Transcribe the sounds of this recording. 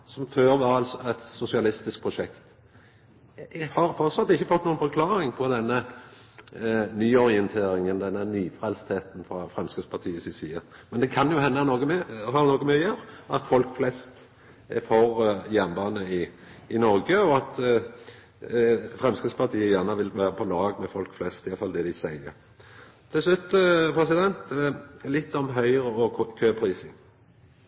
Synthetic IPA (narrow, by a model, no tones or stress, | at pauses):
sɔmføːɾʋɑːɾɑlsɔɛt̪sʊsɪɑlɪst̪ɪsk̚pʰɾʊʃɛkt̪ | hɑɾfɔʁt̪sɑt̪ːɪçːəfɔt̪ːnuːənfɔɾkʰlɑːɾɪŋpʰɔd̪ɛnːə | nyːɔʁɪənt̪ʰeːɾɪŋələd̪ɛnːənyːfʁɛlst̪heːt̪n̩fɾɑfʁɛmskəspʰɑt̪ʰiːəsɪsiːəmɛnd̪ɛkʰɑnjʊhɛnːənoːɡəɛhɑnoːɡəmyjəɾɑ̰t̪fɔlkflɛst̪ | ɛ̰fɔɾjænbɑːnəɪ | ɪnɔɾɡəɔɑt̪ | fʁɛmskəspɑt̪ʰiːəjæːʁnəʋɪlʋæːɾəpʰɔlɑːɡmɛfɔlkflɛst̪ɪjɑfɑld̪ɛd̪ɪsæɪə̰ɾ | t̪ʰɪlslʉt̪ːəpʰɾɛsɪd̪ɛnt̪lɪt̪ːɔmɦœʏʁəɔkʰøːpʰɾiːsɪŋ